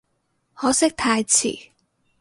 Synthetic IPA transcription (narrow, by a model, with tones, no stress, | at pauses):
hɔː˨˥sɪ˥k̚t̪ʰaː˧jt͡sʰḭː˨˩